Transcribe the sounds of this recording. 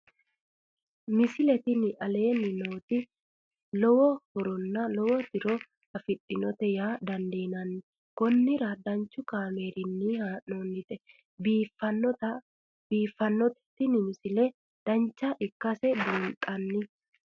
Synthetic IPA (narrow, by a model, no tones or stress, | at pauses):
mɪsɪlɛt̪ɪnɪʔɐle̞ːnːɪno̞ːt̪ɪ | lɔwɔhɔɾɔnːɐlɔwɔt̪ɪɾɔ | ɐfɪtʼːɪnɔt̪ɛjaːd̪ɐnd̪eːnɐnːɪ | kɔnːɪɾɐd̪ɐnt͡ʃːʊkaːme̞ːɾɪnːɪhaːnoːnːɪt̪ɛ | biːfɐnt̪ɐ | biːfːɐnːɔt̪ɛ̥t̪ːɪnɪmɪsɪlɛ | d̪̥ɐnt͡ʃːɐʔɪkːɐsɛbʊnt̪ʼɐnːɪ